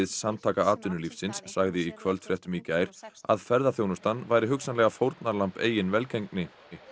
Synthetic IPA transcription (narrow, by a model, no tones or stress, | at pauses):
ɪðsamt̪ʰaːkaaːt̪ʏnʏlifsɪnsːaɣðɪikʰvœlt̪fɾjɛht̪ʏmicaːjɾ̥a̰ðfɛɾðaθjownʏst̪anːvaːjɾɪɦʏksanlɛɣafowɾt̪naɾlampḛːjɪnvɛlkejŋknɪ